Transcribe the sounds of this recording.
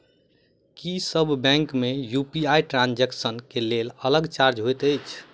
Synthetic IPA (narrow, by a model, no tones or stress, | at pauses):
kisəbʱbɛ̃ŋkmejupiajʈɾãnd͡ʒɛksənkelelələɡt͡ʃaɾd͡ʒɦojt̪əjt͡ʃʰ